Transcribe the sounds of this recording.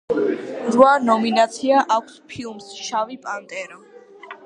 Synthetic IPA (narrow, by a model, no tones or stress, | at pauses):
ɾwanɔminat̪sʰiaʔakʷʰspʰilˠmsʃavipʼant̪ʼɛɾɔ